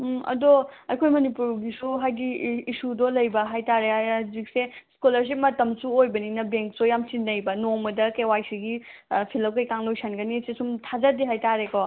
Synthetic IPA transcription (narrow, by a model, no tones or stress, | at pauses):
ɐ̰doɐjkʰojmɐnipuɾɡisuɦajɡiːsudɔlɐjbɐɦajtaɾeazik̚seskulɐɾs̬ip̚mɐtɐmsuojbɐninɐbeŋk̚sojamsinːɐjbɐnomɐdɐkewajsʰiɡipʰilɐwkɐjkaŋlojsʰanɡɐnisesumtʰazɐdiɦajtaɾekɔ